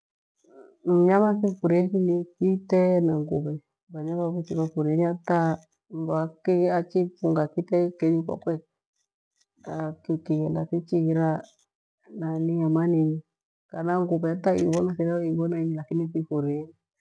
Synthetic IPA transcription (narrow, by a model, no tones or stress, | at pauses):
m̩ɲamasifuɾikinikitɛnaŋɡuβɛ | baɲaβaβut͡ʃiβafuɾɛɲata | mbakiat͡ʃipuŋɡakitɛkɛɲika̰kwɛ | akikijɛndasit͡ʃiiɾa | naniamanini | kanaŋɡuβɛataḭβɔnasiɾaiβɔnaiɲilakinisifuɾɛɲi